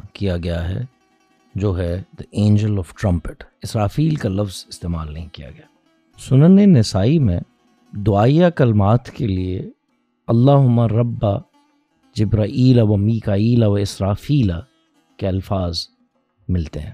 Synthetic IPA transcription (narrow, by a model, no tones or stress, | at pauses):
kijaɡɐjaɦɛ̰ | d͡ʒoːɦɛd̪̥əẽːnd͡ʒəlɔːfʈɾɐ̃mpɪʈɪsɾaːfiːlkalɐfzɪst̪eːma̰ːlnɐ̰ɦĩkija̰ɡɐjaː | sʊnənenɪsaːimẽ | d̪ʊaːijakɐlmaːt̪kelie | ɐlːaːɦʊmːaɾɐbːa | d͡ʒɪbɾaːʔiːlaʋɐmiːkaːiːlaʋaɪsɾaːfiːla | keɐlfaːz | mɪlt̪eɦɛ̰̃ː